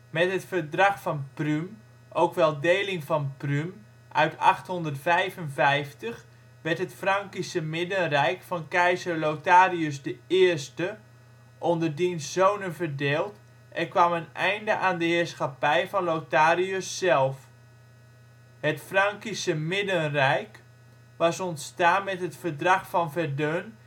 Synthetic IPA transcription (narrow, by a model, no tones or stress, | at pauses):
mɛtɦətfərdraxfɔnprym | ʔowkʋɛlˠdeːlɪŋfɔnprym | ʔœɥtʰa̰xtɦɔndərtfɛjvənvɛjftəx | ʋɛrtɦətfraŋkisəmɪdənrɛjkfɔnkɛjzərlowtaːriøsdəɪərstə | ʔondərdinsːownənvərdeːlˠt | ʔɛrkʋamənɛjndəʔaːndəhɪːrsxapɛjfɔnlowtaːɾiøsːɛlˠf | hətfraŋkisəmɪdənrɛjk | ʋɑsɔntstaːnmɛtɦətfərdrɑxfɔnvɛrdøn